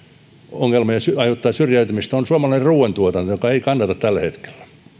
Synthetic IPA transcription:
oŋːelmɑjɑsyɑjot̪ːɑːsyrjæyt̪ymist̪onsuɑmɑlɑˑinerruːwent̪uot̪ɑnːojokɑeikɑnːɑt̪ɑt̪t̪ælːæhet̪ke̥l̥ːæ̥

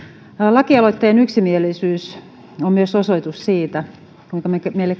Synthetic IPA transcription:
lɑkiɑloit̪ːeːnyksimielisyːs | ommyøsosoit̪ussiːt̪æ | kuiŋkɑmekmeilek

